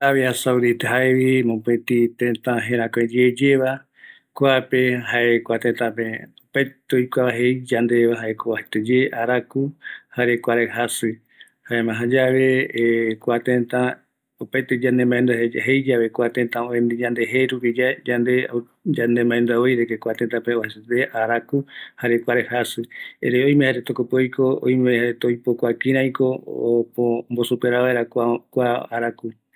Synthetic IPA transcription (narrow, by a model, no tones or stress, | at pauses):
aβjasawðit̪eɦaeβimõpẽt̪it̪ẽnt̪ãɦẽɾ̃ãkʷẽd͡ʒeːd͡ʒeβa | koapeɦaekʷat̪ẽt̪ãpẽopajt̪eojkʷaβaɦejd͡ʒand̪eβaɦaekoβahet̪ed͡ʒeʔaɾakuhaɾekʷaɾehasɨ | haemãɦãd͡ʒaʋekʷat̪ẽnt̪ã | opaet̪ed͡ʒãnd̪ẽmãend̪ɦejd͡ʒaβekʷat̪ẽnt̪ãoẽnd̪id͡ʒãnd̪eɦeɾupid͡ʒad͡ʒand̪e | d͡ʒand̪emãẽnd̪uaojɾekekʷat̪ent̪ãpeoheset̪eʔaɾakuhaɾe̞kʷaɾehasɨḛɾeoj̃mẽhaɾet̪okopeojkoo̰jmehaɾet̪ojpokʷakĩɾ̃ãjko̞pombosupeɾaʋaeɾakʷakʷaaɾaku